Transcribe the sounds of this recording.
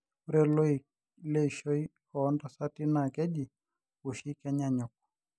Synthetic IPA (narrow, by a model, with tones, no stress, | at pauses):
u˦ɾɛ˦lɔ˦i˨ | lɛ˦i˨ʃɔ˦i˦ | ɔː˦nda˨sa˦ti˦na˨kɛ˦ʄi˨ | u˨ʃi˦kɛ˦ɲaɲɔ˨k̚ɔ̥